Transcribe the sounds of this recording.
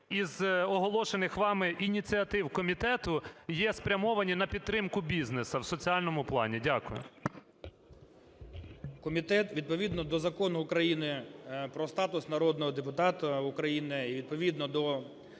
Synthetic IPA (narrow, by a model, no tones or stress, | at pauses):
izɔɦɔlˠɔʃenɪxʋɑmɪʔinʲit͡sʲiɐt̪ɪwkɔmʲit̪ɛt̪ʊjɛspɾʲɐmɔʋɐnʲinɐpʲid̪̚t̪ːɾɪmkʊbʲiznesɐwsɔt͡sʲiɑlʲnɔmʊplˠɑ̰nʲidʲakʊjʊ̰ | kɔmʲit̪ɛt̪ʋʲid̪̚pɔʋʲid̪nɔd̪ɔzɐkɔnʊːkɾɐjinɪpɾɔst̪ɑt̪ʊsnɐɾɔd̪nɔɦɔd̪epʊt̪ɑt̪ɐʊkɾɐjinɪiʋʲid̪̚pɔʋʲid̪nɔd̪ɔ